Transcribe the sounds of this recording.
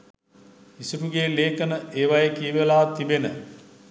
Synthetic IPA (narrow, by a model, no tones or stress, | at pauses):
isuɾuɡeːleːkənəeːʋajəkijəʋelaːt̪ibenə